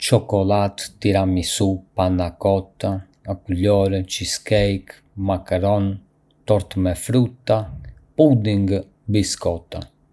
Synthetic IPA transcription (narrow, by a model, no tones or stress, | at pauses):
t͡ʃɔkɔlat̪ːiɾamisupanakɔt̪a | akuʎɔɾt͡ʃiskɛjk | makaɾɔn | t̪ɔɾt̪mɛfɾut̪ːapud̪iŋɡ | biskɔt̪a